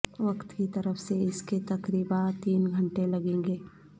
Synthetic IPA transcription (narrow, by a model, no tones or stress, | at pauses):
ʋɐkt̪kit̪ɐɾəfʰseɪsket̪ɐkɾiːbat̪iːnɡʱɐ̃ɳʈelɐɡẽːŋɡeː